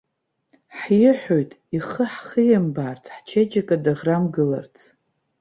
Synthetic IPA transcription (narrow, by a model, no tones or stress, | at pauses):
ħjɪħojtʼiχəħχɨjambaːrt͡sʰħt͡ʃʰed͡ʒʼakʼadaʁramɡɨla̰rt͡sʰ